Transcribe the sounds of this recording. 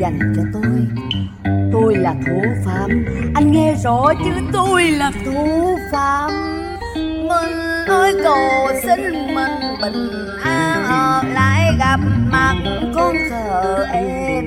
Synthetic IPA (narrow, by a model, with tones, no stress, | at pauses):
za˨˩jŋ̟t͡ɕɔ˧t̪u˧j | t̪u˧jlaː˨˩t̪ʰu˨˩˦faː˨˩mʔa˧jŋŋɛ˧zɔ˧˨˦jt͡ɕɨ˨˦t̪u˧jlaː˨˩t̪ʰu˧˩˦faː˧˦mː | ə˧˩nʔəː˨˦jkə˨˩wsi˧ŋ̟ | mə˨˩nɓə˧˨ŋ̟ | ʔaː˧ʔəː˨˩laː˧˦jɣa˨˩p̚maː˨˩ŋ˨˦kɔ˧nsəː˨˩ʔə˨˩ʔə˨˧˨